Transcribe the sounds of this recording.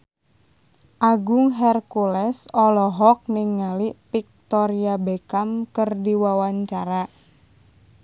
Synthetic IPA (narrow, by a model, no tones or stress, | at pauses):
ʔaɡʊŋɦɛrkulɛsɔlɔɦɔk̚niŋːaliʔpik̚t̪ɔɾiabekamkərdiwawaɲt͡ʃaɾa